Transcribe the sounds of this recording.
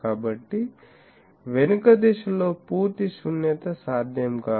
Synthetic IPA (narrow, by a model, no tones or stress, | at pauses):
abɐʈːi | ʋenkɐd̪eʃɐloːpuːɾt̪isunjɐt̪ɐsaːd̪ʱjɐmkaː